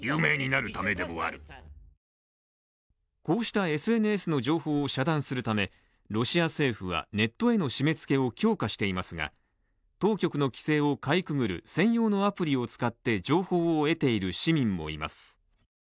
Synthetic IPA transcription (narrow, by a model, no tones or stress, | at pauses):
jɯːme̞ːɲ̟inaɾɯ̟t̪ame̞d̪e̞mo̞a̰ɾɯ̟̰ | ko̞ːɕi̥t̪ae̞sɨe̞nɯ̟e̞sɨno̞ʑo̞ːho̞ːɕad̪ãɰ̃sɨɾɯ̟t̪ame̞ | ɾo̞ɕiase̞ːɸɯ̟βa̰ne̞t̪ːo̞e̞no̞ɕime̞t͡sɨ̥ke̞o̞kʲo̞ːkaɕi̥t̪e̞imasɨɡa̰ | t̪o̞ːkʲo̞kɯ̟no̞kʲi̥se̞ːo̞kaikɯ̟ɡɯ̟ɾɯ̟̰sẽ̞ɰ̃jo̞ːno̞apɯ̟ɾʲio̞t͡sɨ̥kat̪ːe̞d͡ʑo̞ːho̞ːe̞t̪e̞iɾɯ̟ɕimʲĩmːo̞̰ḭma̰sɨ̥